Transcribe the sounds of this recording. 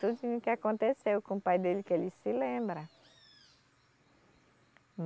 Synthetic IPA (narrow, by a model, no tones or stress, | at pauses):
t̪ud͡ʒinʊkɪakõnt̪esewkõupajd̪elɪkelɪsɪlẽmbɾɐ | m